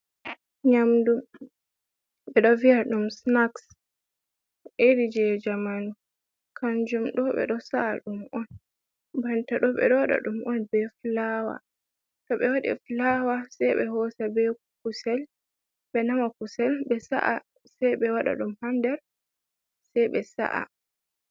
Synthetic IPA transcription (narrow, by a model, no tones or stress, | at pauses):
ɲamdum | ɓɛɗɔviaɗumsnaks | ʔeɾid͡ʒɛd͡ʒamanu | kʰaɲd͡ʒumɗɔɓɛ̰ɗɔsa̰ːɗumʔɔn | bantaɗɔɓɛ̰ɗɔwaɗa̰ɗumɔnbɛflawa̰ | tɔɓɛwaɗḭflawasɛjɓɛɦɔsabɛ | kusɛl | bɛnamakusɛlɓɛsa̰ʔa | sɛjɓɛwaɗa̰ɗumhandɛɾ | sɛjɓɛsa̰ʔa̰